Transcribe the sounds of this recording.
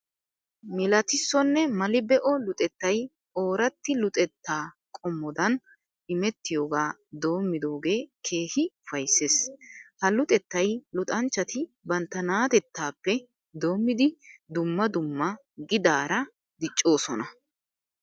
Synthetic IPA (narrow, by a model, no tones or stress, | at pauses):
mɪlɐt̪ɪsːɔnːɛmɐlɪbɛʔɔlʊt̪ʼɛt̪ːɐj | o̞ːɾɐt̪ːɪlʊt̪ʼɛt̪ːaː | kʼɔmːɔd̪ɐn | ʔɪmɛt̪ːɪjo̞ːɡaːd̪o̞ːmːɪd̪o̞ːɡe̞ːkʰe̞ːhɪʊfɐjsːeːshɐlʊt̪ʼɛt̪ːɐjlʊt̪ʼɐnt͡ʃːɐt̪ɪbɐnt̪ːɐnaːt̪ɛt̪ːaːpːɛ | d̪o̞ːmːɪd̪ɪd̪ʊmːɐd̪ʊmːɐ | ɡɪd̪aːɾɐ | d̪ɪt͡ʃʼːo̞ːsɔnɐ